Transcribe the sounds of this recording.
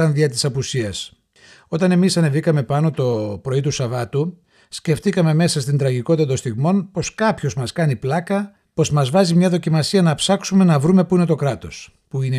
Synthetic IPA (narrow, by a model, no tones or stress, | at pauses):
ɐnðiɐt̪̬i̥sɐpusiɐs | o̞t̪ɐne̞misɐne̞vikɐme̞pɐno̞t̪o̞pɾo̞it̪usɐvɐt̪u | sce̞ft̪ikɐme̞me̞sɐs̬t̪ind̪ɾɐʝiko̞t̪it̪t̪ost̪iɣmo̞npo̞skɐpço̞zmɐskɐniplɐkɐ | po̞zmɐzvɐzimɲɐðo̞cimɐsiɐnɐpsɐksume̞nɐvɾume̞puine̞t̪o̞kɾɐt̪o̞s | puine